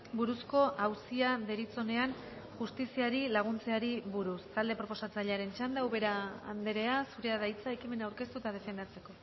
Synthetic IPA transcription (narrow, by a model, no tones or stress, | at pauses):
buɾusko̞ʔawsiaðe̞ɾit͡so̞ne̞an | ʝust̪isiaɾilaɣ̞unt͡se̞aɾiβuɾust̪ald̪e̞pɾo̞po̞sat͡saʎeaɾe̞nt͡ʃand̪awβe̞ɾa̰ːnd̪eɾe̞asuɾe̞aðajt͡saekime̞nawɾke̞st̪ut̪að̞e̞fe̞nd̪at͡se̞ko̞